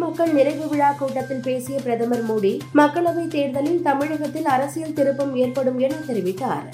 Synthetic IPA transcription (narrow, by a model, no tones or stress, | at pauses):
mɐkːɐɭnɪɾɐɪʋɯʋɪɻaːkuːʈːɐt̪ːɪlpeːsɪjɐpɪɾɐðɐmɐɾmuːɽimɐkːɐɭɐʋɐɪt̪eːɾd̪ɐlɪlt̪ɐmɪɻɐɣɐt̪ːɪlɐɾɐsɪjɐlt̪ɪɾɯpːɐmeːrpɐɽɯmɛnːɐt̪ɛɾɪʋɪt̪ːa̰ːɾ